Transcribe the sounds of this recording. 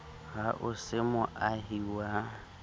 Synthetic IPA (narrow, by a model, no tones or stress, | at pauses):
ɣaʔʊsɪmʊʔaɦiwa